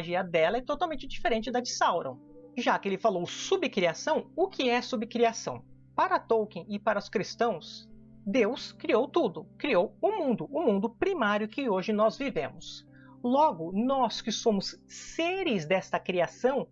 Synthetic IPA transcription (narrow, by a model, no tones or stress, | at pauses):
ʒiɐd̪ɛlɐɛt̪ot̪awmẽnt͡ʃɪd͡ʒifeɾẽnt͡ʃɪd̪ɐd͡ʒisawɾɐ̰̃w̃ʒakɪelɪfalowsubɪkɾiasɐ̃w̃ʊkʰɪɛsubɪkɾiasɐ̰̃w̃ | paɾɐt̪owkẽj̃ɪpaɾɐʊskɾist̪ɐ̃w̃s | d̪ewskɾiowt̪ud̪ʊkɾiowʊmũnd̪ʊʊmũnd̪ʊpɾimaɾjʊkɪoʒɪnɔzvivḛ̃mʊs | lɔɡʊnɔskɪsõmʊsseɾɪzd̪ɛst̪ɐkɾiasɐ̃w̃